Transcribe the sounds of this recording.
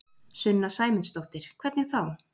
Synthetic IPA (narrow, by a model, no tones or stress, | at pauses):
sʏnːasaːjmɪnst̪oht̪ɪɾ̥kʰvɛɾt̪nɪθaw